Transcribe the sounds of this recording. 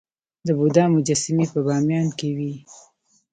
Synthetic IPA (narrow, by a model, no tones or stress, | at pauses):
d̪əbud̪ɑmʊd͡ʒasɪmepəbɑmjɑnkewi